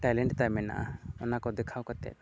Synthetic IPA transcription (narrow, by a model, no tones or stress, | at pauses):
ʈajlɛɳʈt̪ajmɛna̰ʔa̰ɔnakɔd̪ɛkʰawkat̪ɛ̰t̪̚